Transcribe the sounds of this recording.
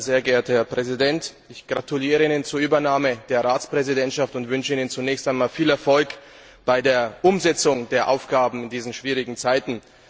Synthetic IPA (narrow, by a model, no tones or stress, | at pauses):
zeːɐɡeːɐtəhɛɐpʁ̥ɛzidɛnt | ɪçɡ̥ʁatʰuliːʁəiːnənt͡suːɐʔyːbɐnaːməd̥eːɐʁaːt͡spʁ̥ɛzidɛntʃaftʊntv̥ʏnʃəiːnənt͡sunɛːçstaɪnmaːlfiːlɛɐfɔlk | b̥aɪdeːɐʔʊmzɛt͡sʊŋdeːɐʔa̰ʊfɡ̥aːbm̩ɪndiːzn̩ʃv̥iːʁ̞ɪɡŋ̩t͡saɪtn̩